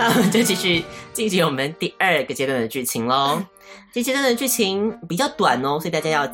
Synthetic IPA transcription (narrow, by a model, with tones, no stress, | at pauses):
na˥˩o˨mə˨˦nt͡ɕo˥˩ʊt͡ɕi˧˥ʂɻy˨˩˦t͡ɕi˥˧ŋt͡ɕi˧˦wɔ˨˩mə˦nt̪i˥˧ə˥˧ɡə˩t͡ɕjɛ˧˥t̪wa˥˧nd̪ə˨t͡ɕy˥˩t͡ɕʰi˧˥ŋlɔ˧˦ | t͡ɕə˥˩˥t͡ɕjɛ˧˥t̪wnə˧˩t͡ɕy˥˩t͡ɕʰi˧˥ŋpi˨˩t͡ɕjɑ˥˩ʊt̪wa˨˩nɔ˦swɔ˧˥˨t̪a˥˩t͡ɕja˥jɑ˥˧ʊ